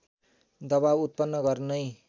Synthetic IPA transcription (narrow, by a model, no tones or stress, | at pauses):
d̪ʌbawut̪̚pʌnːʌɡʌrnʌj